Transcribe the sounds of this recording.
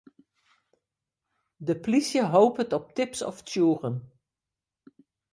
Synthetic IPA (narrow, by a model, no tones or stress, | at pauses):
dəplisjəɦowpətɔp̚tɪpsɔ̰ftjuːrən